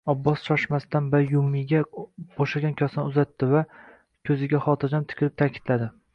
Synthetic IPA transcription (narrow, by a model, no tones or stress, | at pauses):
ɒbːɒsʃɒʃmast̪anbajʊmːɪɡʲab̥oʃaɡʲankʲʰɒsɒnʊzat̪ːɪva | kʲʰɵzɪɡʲaχɒt̪ʰɪɾd͡ʒamt̪ʰɪ̥kʲɪlɪp̚t̪ʰakʲʰɪ̥d̪̥lad̪ɪ